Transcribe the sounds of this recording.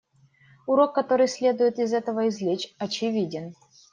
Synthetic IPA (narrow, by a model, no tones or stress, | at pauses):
uɾokːɐt̪oɾɨjsʲlʲe̞d̪ujɪt̪izɛt̪əvəizʲlʲet͡ɕɐt͡ɕivʲidʲɪn